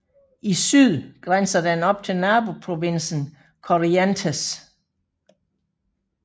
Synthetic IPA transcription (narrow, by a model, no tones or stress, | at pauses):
ʔisyð̰ˠɡ̥ʁan̰sɐd̥ænɒ̽b̥̚t͡sʰe̝lnæːb̥o̝pʰʁo̝ʋe̝n̰sn̩ | kʰɒʁiænt͡sʰæs